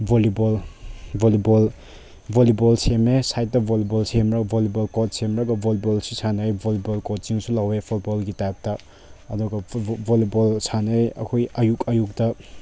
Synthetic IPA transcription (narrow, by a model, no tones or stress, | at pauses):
bʱolibolbolibol | bʱolibɔlsemesajt̚ːɐbʱolibɔlsemɾakbʱolibolkot̚semɾaɡɐbʱolibolsisʰanɐjbʱolibolkot͡ʃiŋsulawepʰut̚bɔlɡitajp̚tɐ | ɐduɡɐbolibɔlsʰanɐjɐ̰kʰojɐjukɐjuk̚tɐ